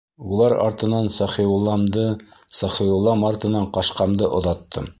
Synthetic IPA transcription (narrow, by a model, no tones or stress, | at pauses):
ulˠɑɾɑ̰ɾt̪ɤ̆nɑnsɑχilˠɑmd̪ɤsɑχiulˠːɑmɑɾt̪ɤ̆nɑɴqɑʃqɑmd̪ɤʔŏðɑt̪ʰːɤ̰m